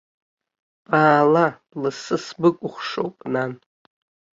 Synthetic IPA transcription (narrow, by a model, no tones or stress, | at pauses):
b̥aːla | lɨsɨsbɨkʷʼʊχʷʂo̰wpʼnan